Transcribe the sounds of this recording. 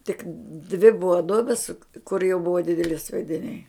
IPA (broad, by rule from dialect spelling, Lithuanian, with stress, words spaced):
tʲɪk dʲʋʲɪ ˈbʊʋɐ ˈduɔbʲɪs kʊr jɛʊ ˈbʊʋɐ ˈdʲɪdʲɛlʲɪ sʲʋʲiɛdʲɪˈnʲɛɪ